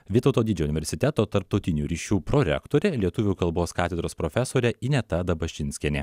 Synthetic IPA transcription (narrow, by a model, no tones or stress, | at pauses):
ʋʲɪt̪ɔʊt̪oːd̪ʲɪd͡ʒʲɛʊnʲɪʋʲɛɾʲsʲɪt̪ʲɛt̪oːpt̪ɐɾp̚t̪ɒʊt̪ʲɪnʲuːɾʲiːʃʲuːpɾɔɾʲɛ̰kt̪oːɾʲɛlʲiɛt̪ʊʋʲukɐlˠboːskɑːt̪ʲɛd̪ɾoːspɾɔfʲɛsoːɾʲɛinʲɛt̪ɐd̪ɐbɐʃʲt͡ʃʲɪnʲsʲkʲɛnʲḛː